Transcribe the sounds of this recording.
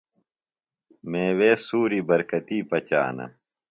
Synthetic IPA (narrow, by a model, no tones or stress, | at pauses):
mẽːweːsuːɾibɐɾkɐt̪iːpɐt͡ɕa̰ːnɐ̰